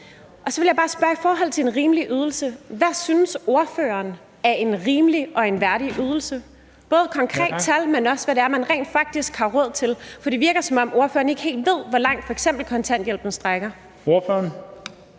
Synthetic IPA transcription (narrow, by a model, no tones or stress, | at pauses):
ʔɒ̽sɒʋe̝ljɑ̈bɑ̈ːsb̥ɶɐifɒːɦɒ̽l̰t͡sʰeenʁiːmliʔyːð̞ˠl̩səʋæsynəso̝ɐfø̰ːɐn | æɐʔe̝nʁiːmliɒ̽e̝nʋæɐɾiʔyð̞ˠl̩sə | b̥ɔ̽ːð̞̩ˠəkʰɒ̽ŋkʰʁɛ̰ːd̥t͡sʰælmenɒ̽sʋæɾeæɐmænʁɛ̰ːnd̥fɑ̈ɡ̥̚d̥isɡ̥hɑ̈ʁɔð̞̰ˠt͡sʰe̝lfdiʋiɐɡ̥ɐsɒ̽mɒ̽mo̝ɐfø̰ːɐːn̩e̝ɡ̥he̝̰ːld̥ʋe̝ð̞̰ˠʋɒlɑ̈ŋ̰d̥fɒ̽eɡ̥sem̰b̥l̩kʰɒ̽nt͡sʰæn̰d̥jel̰b̥n̩sd̥ʁaɡ̥ɐ | oføɐn